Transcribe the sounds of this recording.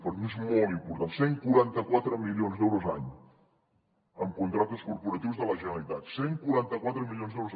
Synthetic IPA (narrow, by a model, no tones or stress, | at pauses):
pəɾmiezmolˠt̪impuɾt̪anseŋkuɾant̪əkwat̪ɾəmilionzðɛwɾozaɲ | əmkunt̪ɾak̚t̪əskuɾpuɾət̪iwzðələʒənəlit̪at̪seŋkuɾant̪əkwat̪ɾəmilionzðɛwɾuz